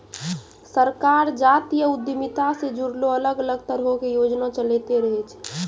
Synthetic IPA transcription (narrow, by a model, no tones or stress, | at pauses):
səɾkaɾd͡ʒat̪ijəud̪jəmit̪ased͡ʒuɽloələɡələɡt̪əɾɦokejod͡ʒnat͡ʃəlɛt̪eɾəɦɛt͡ʃʰ